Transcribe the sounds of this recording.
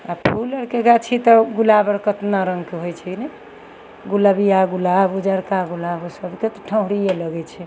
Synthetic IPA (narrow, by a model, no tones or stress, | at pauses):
apʰuləɾkeɡat͡ʃʰit̪ɔɡulabəɾkət̪naɾəŋɡkeɦojt͡ʃʰinɛ | ɡulabijaɡulabud͡ʒaɾkaɡulabosəbʱket̪ɔʈʰə̃ɦɾijeləɡɛt͡ʃʰɛ